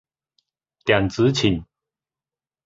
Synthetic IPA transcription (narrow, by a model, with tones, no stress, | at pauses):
t̪ja˨˩ŋt͡sɨ˨˦t͡ɕʰi˨˩n